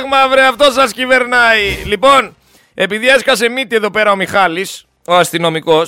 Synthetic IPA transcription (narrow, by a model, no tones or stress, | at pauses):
ɣmɐvɾeɐft̪o̞sɐscive̞ɾnɐilipo̞n | e̞piðie̞skɐse̞mit̪ie̞ðo̞pe̞ɾɐomixɐlis | oɐst̪ino̞miko̞s